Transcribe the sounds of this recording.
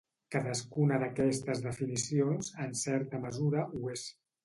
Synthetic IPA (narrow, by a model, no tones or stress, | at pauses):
kaðəskunəðəkɛst̪əzðəfinisionzənsɛɾt̪əməzuɾəʔues